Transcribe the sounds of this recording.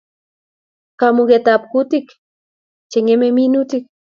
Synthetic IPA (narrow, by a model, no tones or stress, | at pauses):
kamuɡet̪ap̚kut̪ik | t͡ʃeŋememinut̪ik̚